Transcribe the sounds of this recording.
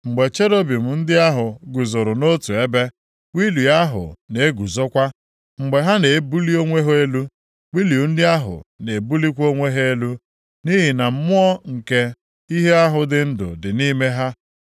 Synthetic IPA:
ŋ͡m̩˨ɡ͡be˨t͡ʃe˦ɾo˦bi˨m̩˨n̩˦dɪ˦a˦ɦʊ˨ɡu˨zo˨ɾʊ˨no˦tu˨e˦be˦ | wi˦lu˨a˦ɦʊ̰˨ne˨˦ɡu˨zo˦kʷa˦ | ŋ͡m̩˨ɡ͡be˨ɦa˦ne˨˦bu˦li˦o˦ŋʷe˦ɦe˦lu˦ | wi˦li˨u˦n̩˦dɪ˦a˦ɦʊ̰˨ne˨bu˦li˦kʷo˦ŋʷe˦ɦe˦lu˦ | ni˦ɦi˨na˨m̩˦mʊ˦ɔ˦ŋ̩˨ke˦ | i˦ɦe˦a˦ɦʊ˨dɪ˦n̩˦dʊ̰˨dɪ˨ni˦me˦ɦa˦

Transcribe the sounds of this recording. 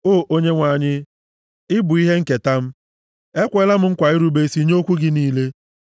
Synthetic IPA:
oː˦˨ʔo˦ɲe˦ŋʷa˨ɲɪ˦ | ɪ˦bʊ˨i˦ɦe˦ŋ̩˦ke˨ta˦m̩˦ | e˦kʷe˦la˦m̩˦ŋ̩˦kʷa˨ɪ˦ɾu˦be˦si˦ɲ˦o˦kʷu˦ɡɪ˦niː˦le˦

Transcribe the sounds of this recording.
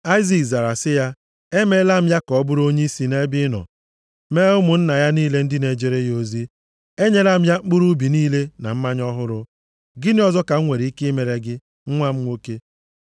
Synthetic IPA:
a˦ɪ˦zi˨kza˨ɾa˨sɪ˦ja˦ | e˦me˦la˦m̩˦ja˦kɔ˨˦bʊ˦ɾo˦ɲe˦i˦si˨ne˦bɪ˦nɔ̰˨ | me˦ʊ˦mʊ˨n̩˦na˨ja˦niː˦le˦n̩˦dɪ˦ne˨d͡ʒe˨ɾe˦jo˨zi˦ | e˦ɲe˦la˦m̩˦ja˦ŋ͡m̩˦k͡pʊ˦ɾu˦bi˨niː˦le˦na̰˨m̩˦ma˦ɲɔ˦ɦʊ˦ɾʊ˦ | ɡɪ˦nɪ˦ɔ˦zɔ˦ka˨ŋ̩˦ŋʷe˨ɾi˨i˦ke˦i˦me˨ɾe˨ɡɪ˦ | ŋ̩˦ŋʷa˦m̩˦ŋʷo˦ke˦

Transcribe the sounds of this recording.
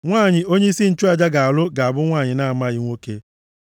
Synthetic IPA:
ŋʷaː˦˨ɲɪ˨o˦ɲe˦i˦si˦n̩˦t͡ʃu˦a˨d͡ʒa˦ɡa˨a˨lʊ˦ɡa˨a˨bʊ˦ŋʷaː˦˨ɲɪ˨na˦a˨ma˦ɣɪ˦ŋʷo˦ke˦

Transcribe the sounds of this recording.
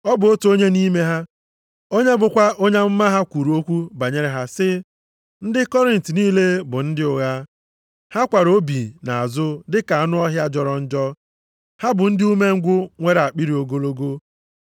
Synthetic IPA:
ɔ˦bʊ˨o˦to˦ɲe˦ni˦me˦ɦa˦ | o˦ɲe˦bʊ˨kʷa˦ʔo˦ɲe˦m̩˦ma˦ɦa˦kʷu˨ɾu˨o˦kʷu˦ba˨ɲe˦ɾe˨ɦa˦sɪ˦ | n̩˦dɪ˦kɔ˦ɾɪ˨n̩˨tniː˦le˦bʊ˨n̩˦dɪ˦ʊ˨ɣa˦ | ha˦kʷa˨ɾo˦bi˨na˨a˨zʊ˦dɪ˦ka˨a˦nʊ˦ɔ˦ɦja˦d͡ʒɔ˨ɾɔ˦n̩˦d͡ʒɔ˦ | ha˦bʊ˨n̩˦dɪ˦u˦me˦ŋ̩˦ɡʷʊ˦ŋʷe˦ɾa˨k͡pi˦ɾi˨o˨ɡo˦lo˦ɡo˦

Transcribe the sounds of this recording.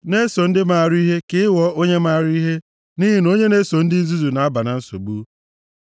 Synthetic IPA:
ne˦so˨n̩˦dɪ˦ma˨a˨ɾi˦i˦ɦe˦kɪ˦wɔ˦ʔo˦ɲe˦ma˦˨ɾi˦i˦ɦe˦ | ni˦ɦi˦n˦o˦ɲe˦ne˦so˨n̩˦dɪ˦n̩˦zu˦zu˨na˨a˦ba˨na˨n̩˦so̰˨ɡ͡bu˦

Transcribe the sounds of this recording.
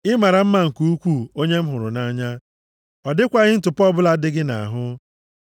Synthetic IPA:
ɪ˦ma˨ɾa˨m̩˦ma˦ŋ̩˨ku˦u˦kʷu˦˨o˦ɲe˦m̩˦ɦʊ˨ɾʊ̰˨na˦ɲa˦ | ɔ˨dɪ˦kʷa˦ɣɪ˦n̩˦tʊ˨pɔ˦bʊ˦la˦dɪ˦ɡɪ˦na̰˨ɦʊ˦

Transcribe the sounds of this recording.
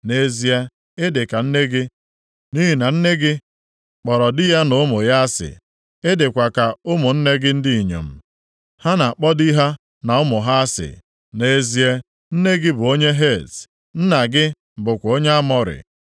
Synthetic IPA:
ne˦zi˦e˦ | ɪ˦dɪ˨ka˨n̩˦ne˦ɡɪ˦ | ni˦ɦi˨na˨n̩˦ne˦ɡɪ˦ | k͡pɔ˨ɾɔ˨dɪ˦ja˦nʊ˦mʊ˨ja˦a˦sɪ̰˨ | ɪ˦dɪ˨kʷa˨ka˨ʊ˦mʊ˨n̩˦ne˦ɡɪ˦n̩˦dɪ˦i˨ɲo̰˨m̩˨ | ha˦na˨a˨k͡pɔ˦di˦ɦa˦ | na˨ʊ˦mʊ˨ɦa˦a˦sɪ̰˨ | ne˦zi˦e˦ | n̩˦ne˦ɡɪ˦bʊ˨o˦ɲe˦ɦe˦˨t | n̩˦na˨ɡɪ˦ | m̩˨bʊ˨kʷo˦ɲe˦a˦mɔ˦ɾɪ̰˨

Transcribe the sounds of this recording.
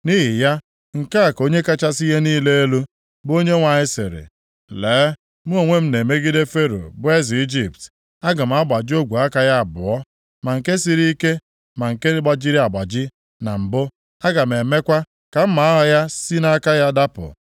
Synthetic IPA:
ni˦ɦi˨ja˦ | ŋ̩˨ka˦a˨ko˦ɲe˦ka˦t͡ʃa˦si˦ɦe˦niː˦le˦e˦lu˦ | bo˦ɲe˦ŋʷa˨ɲɪ˦sɪ̰˨ɾɪ̰˨ | leː˨˦ | m̩˦o˨ŋʷe˦m̩˦ne˨me˦ɡi˦de˦fe˦ɾo̰˨bʊ˦e˦zi˨i˦d͡ʒi˨pt | a˦ɡa˨m̩˨a˦ɡ͡ba˨d͡ʒɪ˦o˦ɡʷu˨a˦ka˦ja˦a˨bʊ˨ɔ˦ | ma˨ŋ̩˨ke˦si˦ɾi˦i˦ke˦ | ma˨ŋ̩˨ke˦ɡ͡ba˦d͡ʒi˦ɾi˦a˨ɡ͡ba˨d͡ʒɪ˦ | na˨m̩˨bʊ˦ | a˦ɡa˨m˨e˨me˦kʷa˦ | ka˨m̩˦ma˨a˦ɦɔ˦ja˦si˦na˦ka˦ja˦da˦pʊ̰˨

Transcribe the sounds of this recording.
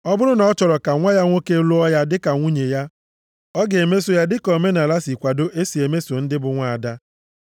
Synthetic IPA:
ɔ˦bʊ˦ɾʊ˦nɔ˦t͡ʃɔ˨ɾɔ˨ka˨ŋʷa˦ja˦ŋʷo˦ke˦lo˦ɔ˦ja˦dɪ˦ka˨ŋʷu˦ɲe˨ja˦ | ɔ˦ɡe˨me˦so˨ja˦dɪ˦kɔ˨me˦na˨la˦si˨kʷa˨do˦ʔe˦si˨e˨me˦so˨n̩˦dɪ˦bʊ˨ŋʷa˨a˨da˦

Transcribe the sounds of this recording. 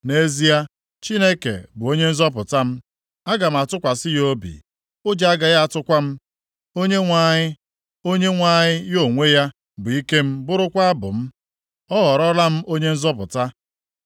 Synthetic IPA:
ne˦zi˦a˦ | t͡ʃi˦ne˦kḛ˨bʊ˨o˦ɲe˦n̩˦zɔ˦p̬ʊ˨ta˦m̩˦ | a˦ɡa˨m̩˨˦a˨tʊ˦kʷa˨sɪ˦jo˦bḭ˨ | ʊ˦d͡ʒa˦ɡa˨ja˦a˦˨tʊ˦kʷa˦m̩˦ | o˦ɲe˦ŋʷa˦˨ɲɪ˦ | o˦ɲe˦ŋʷa˦˨ɲɪ˦jo˦˨ŋʷe˦ja˦ | bʊ˨i˦ke˦m̩˦bʊ˦ɾʊ˦kʷa˦a˦bʊ̰˨m̩˦ | ɔ˦ɣɔ˨ɾɔ˦la˦m̩˦o˦ɲe˦n̩˦zɔ˦p̬ʊ˨ta˦

